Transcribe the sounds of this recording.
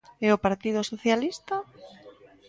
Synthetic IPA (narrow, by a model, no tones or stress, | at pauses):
ɛopaɾt̪ið̞ʊsoθjalist̪a